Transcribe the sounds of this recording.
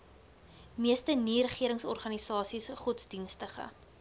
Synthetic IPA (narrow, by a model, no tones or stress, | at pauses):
miəstəniɾəχiəɾəŋsɔrχɐnisɑːsisχutsdinstəχə̰